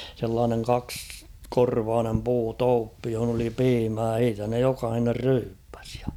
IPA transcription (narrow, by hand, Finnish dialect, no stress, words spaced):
selːɑːneŋ kɑkskorʋɑːnem puːtoːpːi johŏn oli piːmæː h̞iːtæ ne jokɑhiner ryːpːæ̥s